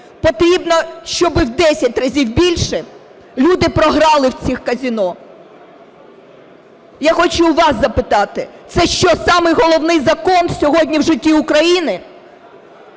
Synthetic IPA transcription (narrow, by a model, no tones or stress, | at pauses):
pɔt̪ɾʲibnɔʃt͡ʃɔbɪwd̪ɛsʲɐtʲrɐzʲiwbʲilʲʃɛ | lʲud̪ɪpɾɔɦɾɑlˠɪwt͡sʲixkɐzʲinɔ | jaxɔt͡ʃʊʋɑszɐpɪt̪ɑt̪ɪt̪sɛʃt͡ʃɔsɑmɪjɦɔlˠɔwnɪjzɐkɔnsʲɔɦɔdʲnʲiwʒɪtʲːiʊkɾɐjinɪ